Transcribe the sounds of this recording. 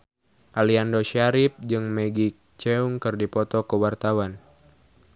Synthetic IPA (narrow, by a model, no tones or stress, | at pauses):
ʔaliandoʃaɾip̚d͡ʒɨŋmɛɡik̚t͡ʃɛuŋkɨrdipɔt̪ɔkəwart̪awan